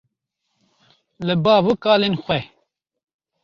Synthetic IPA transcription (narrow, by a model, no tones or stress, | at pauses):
lɨbɑːvɨkaːleːnxwɛ